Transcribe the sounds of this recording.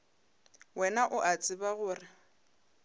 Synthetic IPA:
wɛnaʔʊʔat͡sʼɪbaɣʊːrɪ

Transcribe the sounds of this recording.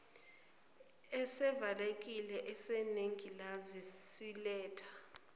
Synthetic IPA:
ɛsɛvalek̬ʼilɛʔɛseneŋʱilazisilɛːtʰḁ

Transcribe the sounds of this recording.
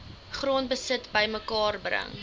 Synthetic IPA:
χruənbəsətbəjməkɑːrbrə̰ŋ

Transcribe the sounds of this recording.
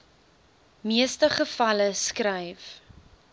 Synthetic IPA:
miəstəχəfɐləskrəjf

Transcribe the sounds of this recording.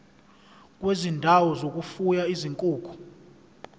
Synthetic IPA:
k̬ʼwezindʱawɔzok̬ʼufujaiziŋkʼuːkʰu̥

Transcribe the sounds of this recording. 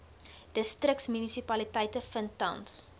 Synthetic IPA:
d̥əstrək̚tsmynisipɐlitəjtəfəntɐ̰wns

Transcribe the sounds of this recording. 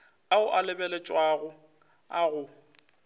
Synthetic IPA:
aʊʔalɪbɛlɛt͡ʃʼwaɣʊ | aɣʊ

